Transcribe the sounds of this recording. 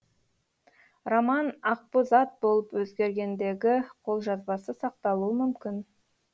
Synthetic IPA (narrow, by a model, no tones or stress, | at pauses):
romɑnɑq̚pəzɑt̪̚bo̞lˠəpwɵzɡʲe̞ɾɡʲe̞nd̪e̞ɡʲɪqʰo̞lˠʒɑzbɑsəsɑq̚t̪ɑlˠuəmʏmkʲɪn